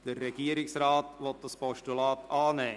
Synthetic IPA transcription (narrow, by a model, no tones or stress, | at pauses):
d̥əːɛɡ̥iəɾɪksraːtʋɔt̚d̥ɑspɔʃtulɑːtʰɑːnɛː